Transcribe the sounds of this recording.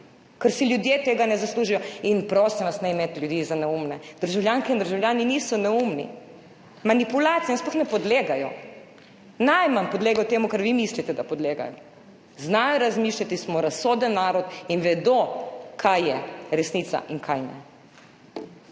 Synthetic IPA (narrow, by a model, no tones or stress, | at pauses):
kɐɾsiljud̪jeːt̪eːɡanɛzasluːʒijɔinpɾoːsiʋasnaimeːt̪lʲjud̪iːzanɛumnɛd̪̥əɾʒawljaŋkɛind̪əɾʒawljaːniniːsɔnɛumnḭ | manipulaːt̪sijɛinsplɔxnɛpɔd̪leːɡajɔ | najmanpɔd̪leːɡajɔt̪eːmukaɾʋimislit̪ɛd̪apɔd̪leːɡa̰jɔ | znaːjɔɾazmiːʃlʲat̪ismɔɾasːoːd̪ənːaːɾɔt̪inʋɛd̪okʰajjɛɾɛsnit̪sa̰ʔiŋkʰajnɛ̰